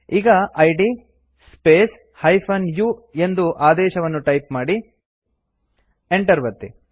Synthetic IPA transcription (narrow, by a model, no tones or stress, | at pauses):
iːɡɐʔɐjɖi | speːs | hɐjpʰɐnjue̞nd̪uʔaːd̪ɛːʃɐʋɐnːuʈɐjpmaːɽi | eɳʈɐɾʋɐt̪ːi